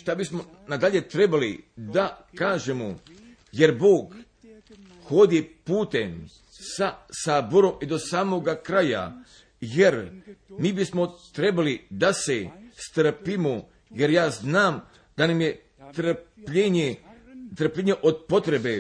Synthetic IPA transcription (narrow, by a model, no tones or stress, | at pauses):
ʃt̪abismo | nad̪aʎe̞t̪ɾe̞balid̪akaːʒemo | je̞ɾbo̞ːɡ | xo̞d̪ipuːt̪em | sasaboɾo̞mid̪o̞saːmo̞ɡakɾaja̰ | jeɾmiːbismo̞t̪ɾe̞balid̪asest̪r̩pimo | jeɾjaːznaːm | d̪anamje̞ | t̪ɾpʎeɲet̪ɾr̩pʎeɲeʔod̪po̞t̪ɾe̞be